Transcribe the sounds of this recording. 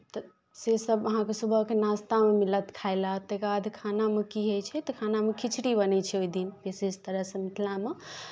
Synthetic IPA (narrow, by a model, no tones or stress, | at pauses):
t̪ə | sesəbəɦãkesubʱəɦkenast̪amemilət̪kʰaɪlat̪ekad̪ʱkʰanamekiɦəjt͡ʃʰɛt̪ɔkʰanamekit͡ʃʰɽibənɛt͡ʃʰɛoid̪inbesed͡ʒt̪əɾəɦsə̃mit̪ʰlame